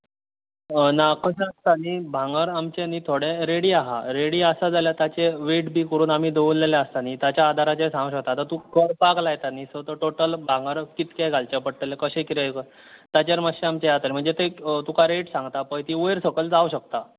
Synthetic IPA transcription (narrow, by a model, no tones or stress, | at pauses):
nakəɕeəst̪aniːbʱãŋɡəɾamt͡ɕeniːt̪ʰoɽeɾeɽiːaɦa̰ɾeɽiːəsad͡zaljat̪jat͡ɕeʋeʈbʱiːkəɾuːnam̤iːd̪oʋulːeleəst̪anit̪jat͡ɕjaːd̪ʱaɾat͡ɕesãŋɡɕək̚t̪at̪at̪ukəɽpaklajt̪aniːsət̪əʈoʈəlbʱãŋɡəɾkit̪kajɡalt͡ɕapəɽʈəlekəɕẽkit̪ekə | t̪at͡ɕaɾməɕeamt͡ɕejat̪əɾim̤əɳd͡zet̪et̪ukaɾeʈsãŋɡt̪apəjt̪iːojɾsəkəld͡zauɕək̚t̪a